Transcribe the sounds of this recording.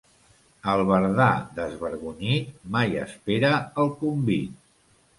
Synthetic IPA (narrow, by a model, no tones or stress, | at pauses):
əlˠβəɾðad̪əzβəɾɣuɲit̪majə̰speɾəəlˠkumbit̪̚